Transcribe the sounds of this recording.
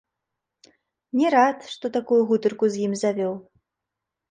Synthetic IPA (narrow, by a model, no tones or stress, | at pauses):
nʲɛɾat̪ʂt̪ɔt̪akujuɣut̪ɨrkuzjimzavʲɔw